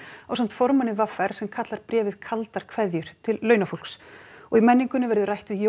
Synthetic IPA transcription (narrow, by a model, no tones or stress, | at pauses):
awsam̥t̪fɔɾmanːɪvafːɛɾ̥sɛmkʰat̪laɾ̥pɾɛːvɪðkʰalt̪aɾ̥kʰvɛðjʏɾ̥t̪ʰɪlːœːɥnaful̥ksɔɣimɛnːiŋkʏnɪvɛɾðʏrajht̪ʏjo